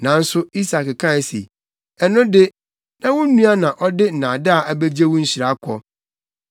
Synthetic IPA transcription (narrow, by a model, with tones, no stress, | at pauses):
nã˨n̩˦sʊ˦i˦sa˨kkʰã˦˨sḭ˨ | ɛ˨nʊ̃˦dɪ˦ | nã˦wʊ̃˦nũ˦a˦nã˨ʔɔ˦dɪ˦n̩˨nãː˨da˦a˨ʔa˦be˦d͡ʑe˦wʊ̃˦ɲ̩˦ɕɪ˨ɾa˨˦kʰʷɔ˦